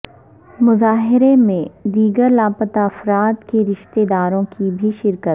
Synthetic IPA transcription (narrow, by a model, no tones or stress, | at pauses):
mʊzaːɦɪɾemẽd̪iːɡəɾlaːpət̪afɾaːt̪keɾɪʃt̪ed̪aːɾõkibʱiʃɪɾkət̪